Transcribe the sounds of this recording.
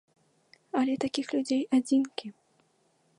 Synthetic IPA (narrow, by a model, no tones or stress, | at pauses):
ɐlʲɛt̪akʲixlʲud͡zʲejad͡zʲinkʲi